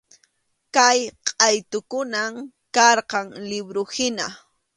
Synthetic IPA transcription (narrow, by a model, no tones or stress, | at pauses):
kajqʼɑjt̪ʊkʊnam | kɑɾqɑŋlɪbɾʊhɪna